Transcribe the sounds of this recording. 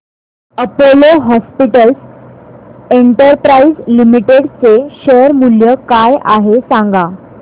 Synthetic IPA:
əpoloɦɔspiʈəls | eɳʈəɾpɾaizlimiʈeɽt͡seɕəɾmuljəkajaɦesãŋɡa

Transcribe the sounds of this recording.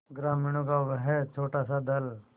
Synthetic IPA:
ɡɾaːmɪɽ̃õkaʋɦɛt͡ʃʰoːʈasad̪ɐl

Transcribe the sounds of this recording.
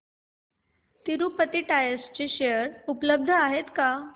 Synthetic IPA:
t̪iɾupət̪iʈajəst͡ɕiɕeəɾupləb̚d̪ʱəaɦet̪ka

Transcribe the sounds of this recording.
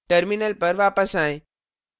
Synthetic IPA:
ʈəɾminəlpɐɾʋaːpəsaːɦɪ̃ː

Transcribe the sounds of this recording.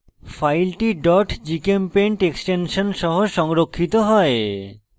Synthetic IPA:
fajlʈiɖɔʈd͡ʑikempeɳʈeksʈenʃonʃɔɦoʃɔŋɾokʰːit̪oɦɔe

